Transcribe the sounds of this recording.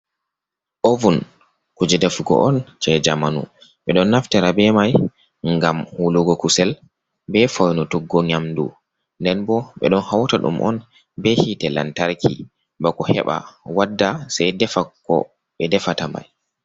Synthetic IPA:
ʔovun | kud͡ʒɛdafuɡɔ̰ʔɔnt͡ʃɛd͡ʒamanṵ | ɓɛɗɔnːaftɛɾabɛmaj | ŋɡamhuluɡɔkusɛl | bɛfɔjnɔtuɡːɔɲamdṵ | ndɛnbɔɓɛ̰ɗɔnhawtaɗṵmʔɔ̰n | bɛhitɛla̰ntaɾkʰḭ | bakɔhɛ̰ɓa̰wadːasajdɛfakɔ̰ | ɓɛdɛfatama̰j

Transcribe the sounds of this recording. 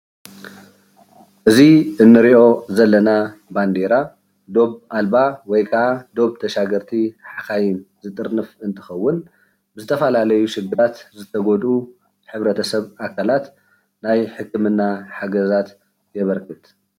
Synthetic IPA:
ʔɨziʔɨnːɨɾiʔo̞zɐlːɐnaband̪eɾa | d̪o̞βʔalbawɔjkʰɐʔad̪o̞βt̪ʰɐʃaɡɐɾt̪ʰiħaxajɪnzɨt̪ʼɨɾnɨfɨnt̪ʰɨ̥xɐwːʊn | bɨzɨt̪ʰɐfɐlalɐjuʃɨɡɨɾat̪zɨt̪ʰɐɡod̪u | ħɨβɾɐt̪ʰɐsɐβʔakʰalat̪ | najħɨkʰːɨmɨnːaħaɡɐzat̪ | jɛβɐɾkʰɨt̪

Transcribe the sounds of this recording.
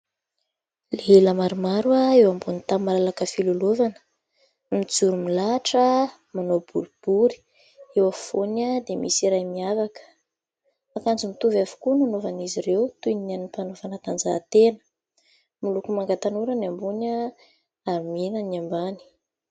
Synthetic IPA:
leləmaɾumaɾuaewambunit̪amalalakəfilolovanə̥ | mid͡zuɾumilaʈ͡ʂə | manob̥uɾib̥uɾi̥ | ewafonəd̪emḭsiɾajmiavakə̥ | akand͡zumit̪uvavu̥kunanovaniziɾewt̪unianipanovanat̪and͡za̰t̪enə̥ | milukumaŋɡat̪anuɾanambunə | aɾiminaniambani̥

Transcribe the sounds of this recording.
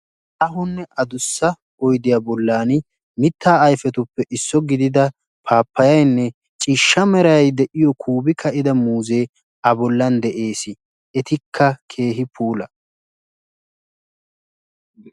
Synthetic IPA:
ʔɐɦʊnːɛʔɐd̪ʊsːɐ | ɔjd̪ɪjaːbɔlːaːn | mɪt̪ːaːɐjfɛt̪ʊpːɛʔɪsːɔɡɪd̪ɪd̪ɐ | pʰaːpːɐjɐjnːɛ | t͡ʃʼiʃːɐmɛɾɐjɐjd̪ɛʔɪjɔkʰuːbɪkʰɐʔɪd̪ɐmuːze̞ː | ɐbɔlːɐnd̪ɛʔe̞ːsɪ | ɛt̪ɪkʰːɐkʰe̞ːɦɪpuːlɐ

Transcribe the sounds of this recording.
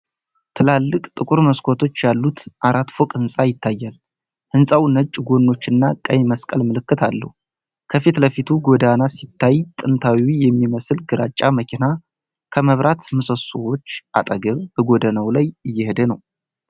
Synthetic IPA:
t̪ʰɨlalːɨkʼt̪ʼɨkʼuɾməskʰo̞t̪ʰo̞t͡ʃːjalːut̪ʔaɾat̪fokʼɨnsʼajɪt̪ʰːajːal | hɨnsʼawnət͡ʃʼːɡo̞nːo̞t͡ʃːɨnːakʼəjməskʼəlmɨlɨkːɨt̪ʰalːə̰hu | kʰəfit̪ləfit̪ʰuɡo̞d̪anasit̪ʰːajt̪ʼɨnt̪ʰawiwijɛmːiməslɡɨɾʔat͡ʃʼːaməkʰina | kʰəməβɾʔat̪mɨsəsowo̞t͡ʃːʔa̰t̪ʼəɡəβbəɡo̞d̪ənəwlajɨjːɛhɨd̪ənə̰w

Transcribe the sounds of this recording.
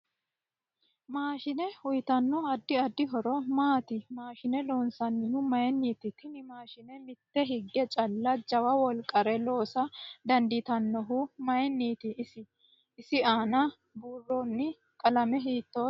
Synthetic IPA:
maːʃɪnɛhʊjt̪ɐnːɔɐd̪ːɪɐd̪ːɪɦɔɾɔmaːt̪ɪmaːʃɪnɛloːnsɐnːɪhʊmɐjɛnːiːt̪ɪt̪ɪnɪmaːʃɪnɛmɪt̪ːɛɦɪɡːɛt͡ʃʼɐlːɐd͡ʒɐwɐwɔlkʼːɐɾɛlo̞ːsɐd̪ɐnd̪ɪt̪ɐnːɔɦʊmɐjɛnːiːt̪ɪːsɪː | sɪaːnɐ | buːrːɔnːɪ | kʼɐlɐmɛɦiːt̪ːoː

